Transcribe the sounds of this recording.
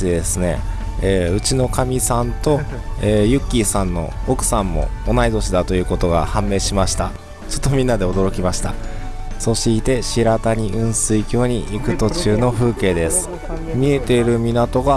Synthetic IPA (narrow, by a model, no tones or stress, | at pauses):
id̪e̞sɨne̞̰ | eːɯ̟t͡ɕino̞kamʲisãnt̪o̞eːjɯ̟kʲːiːsãnːo̞̰ːkɯ̟̥sãmːo̞̰ːnaid̪o̞ɕid̪at̪o̞jɯ̟ːko̞t̪o̞ɡa̰hãmːe̞ːɕimaɕi̥t̪a̰ | t͡ɕo̥t̪ːo̞mʲĩnːad̪e̞o̞d̪o̞ɾo̞kʲimaɕi̥t̪a̰ | so̞ɕiːt̪e̞ɕiɾat̪aɲ̟iɯ̟̃ɰ̃sɨikʲo̞ːɲ̟iʔikɯ̟t̪o̞t͡ɕɨːno̞ɸɯ̟ːke̞ːd̪e̞sɨ̥ | mʲie̞t̪e̞ɾɯ̟mʲinat̪o̞ɡa